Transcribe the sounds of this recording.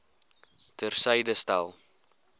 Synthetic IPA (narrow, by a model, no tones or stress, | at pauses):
tərsəjdəstɐ̰lˠ